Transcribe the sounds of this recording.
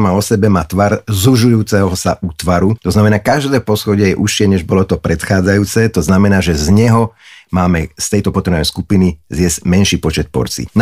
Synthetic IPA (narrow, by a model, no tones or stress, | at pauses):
maɔsɛbɛmaːt̪ʋaɾzuʒujuːt͡sɛɦɔsaʔut̪ʋaɾut̪ɔznamɛnaːkaʒd̪ɛːpɔsxɔɟɛjɛʔuʃɪɛɲɛʒbɔlɔt̪ɔpɾɛt̪xaːd͡zajuːt͡sɛːt̪ɔznamɛnaːʒɛzɲɛɦɔmaːmɛst̪ɛjt̪ɔpɔt̪ɾɛnɛɛjskupinizɪjɛzmɛnʃiːpɔt͡ʃɛt̪̚pɔ̰ɾt͡sḭn